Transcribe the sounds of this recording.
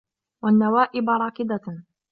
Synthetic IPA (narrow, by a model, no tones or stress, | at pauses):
wanːawaːʔɪbɾˤɑːkɪd̪a